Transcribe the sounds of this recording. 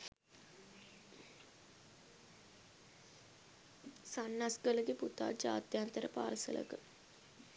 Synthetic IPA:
sanːasɡələɡeput̪a̰ːd͡ʒa̰ːt̪jant̪əɾəpaːɾəsə̰lə̰kə

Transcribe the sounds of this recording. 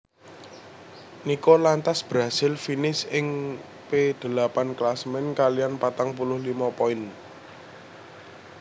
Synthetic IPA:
nikɔlant̪asb̥ɾa̤sɪlfinɪsɪŋ | ped̪̥ə̤lapanklasmɛnkalianpat̪aŋpulʊhlimapɔɪn

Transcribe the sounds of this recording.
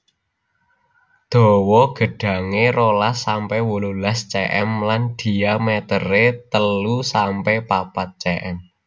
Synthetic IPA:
d̪̥ɔ̤wɔɡ̥ə̤ɖ̥ä̤ŋeɾolasːampɛwululast͡ʃɛʔɛ̰mland̪̥i̤amɛt̪əɾet̪əlusampɛpapat̪̚t͡ʃɛʔɛm

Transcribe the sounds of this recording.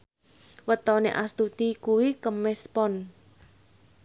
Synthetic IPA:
wət̪ɔnḛʔast̪ut̪ikuwikəmɛspɔn

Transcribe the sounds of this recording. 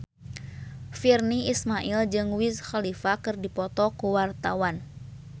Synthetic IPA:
firniismaʔild͡ʒɨŋwisxalifakɨrdipɔt̪ɔkuwart̪awan

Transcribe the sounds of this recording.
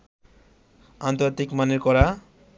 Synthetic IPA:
ant̪oɾt̪ikmaneɾkʌɾa

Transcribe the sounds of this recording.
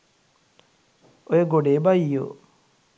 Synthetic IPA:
ojeɡoɖeːbaijo̰

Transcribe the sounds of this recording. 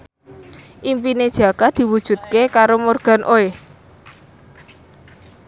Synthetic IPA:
ʔimpined̥ʒ̥a̤kad̪̥i̤wud̥ʒ̥ṳt̪̚kekaɾomorɡ̥ä̤nʔoe

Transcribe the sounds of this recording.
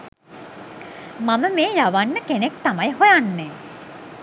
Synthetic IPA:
maməmeːjaʋanːəkenekt̪amajɦojanːɛː

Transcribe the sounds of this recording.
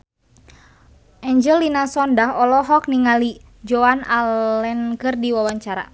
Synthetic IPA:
ʔɛɲd͡ʒəlːinasɔndaɦɔlɔɦɔk̚niŋali | d͡ʒɔanaɛnkɨrdiwawaɲt͡ʃaɾa̰

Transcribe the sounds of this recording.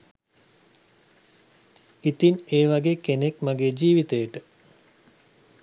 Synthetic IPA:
it̪ineːʋaɡeːkenekmaɡeːd͡ʒiːʋit̪əjəʈə

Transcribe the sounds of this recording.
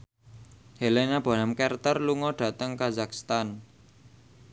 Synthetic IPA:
helɛnab̥a̤namkɛrt̪ərluŋɔɖ̥a̤t̪əŋkazakst̪an

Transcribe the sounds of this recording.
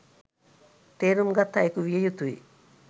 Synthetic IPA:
t̪eɾumɡat̪ːaekuʋijejut̪uḭ

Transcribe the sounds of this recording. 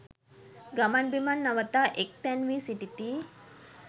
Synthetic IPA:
ɡamanbimanːaʋət̪aʔek̚t̪ɛnʋisiʈit̪i

